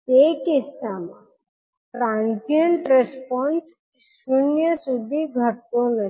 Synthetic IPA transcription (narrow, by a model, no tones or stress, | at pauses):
eːkisama | ɾãnt̪iəɳʈɾespɔ̃ns | sunjəsud̪ʱiɡʱəɾt̪onə